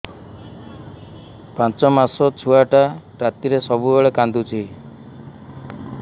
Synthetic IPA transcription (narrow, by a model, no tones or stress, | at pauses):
pãnt͡ʃɔmasɔt͡ʃʰuaʈaɾat̪iɾesɔbubɔɭekand̪ut͡ʃʰi